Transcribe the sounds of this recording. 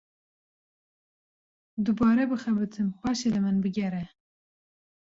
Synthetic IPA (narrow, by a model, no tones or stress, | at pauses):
d̪ubɑːɾɛbɨxɛbɨt̪ʰɨnxʷwɛʃelɨmɨnbɨɡɛɾɛ